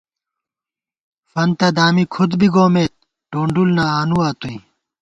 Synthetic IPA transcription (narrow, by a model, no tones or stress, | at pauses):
fɐnt̪ɐd̪aːmikʰud̪biɡoːmeːt̪̚ | ɖoːɳɖulnaaːnuaːt̪uĩ